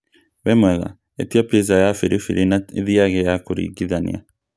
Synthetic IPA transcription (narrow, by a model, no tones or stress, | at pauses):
βemweɣa̰ | etiapjezajafiɾifiɾʔinaeðiaɣejakuɾḭɡiðanj̰a̰